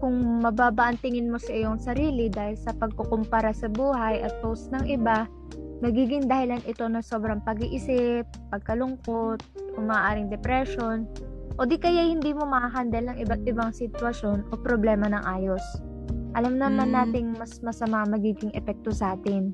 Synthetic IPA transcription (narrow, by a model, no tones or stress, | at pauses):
kʊŋmɐbaːbaʔɐnt̪ɪŋɪnmo̞sɐʔɪjoŋsɐɾiːlɪd̪aːhɪlsɐpɐɡ̚kokʊmpaɾasɐbuːɦɐjʔɐt̪̚howsnɐŋʔɪba | mɐɡiːɡɪŋd̪ɐhɪlanʔɪt̪o̞nɐso̞ːbɾɐŋpɐɡiːʔɪsɪpːɐɡ̚kɐlʊŋkot̪̚ʔʊmaːʔaːɾɪŋd̪ɛpɾɛʃo̞nʔod̪ikɐjahɪnd̪iːmo̞mɐhaɦand̪ɐlnɐŋʔɪbat̪̚ʔɪbaŋsɪt̪wɐʃo̞nʔo̞pɾoblɛːmɐnɐŋʔaːjo̞s | ʔɐlamnɐmanːaːt̪ɪŋmɐsmɐsɐmaɐŋmɐɡiːɡɪŋʔɛpɛk̚t̪o̞sɐʔaːt̪ɪn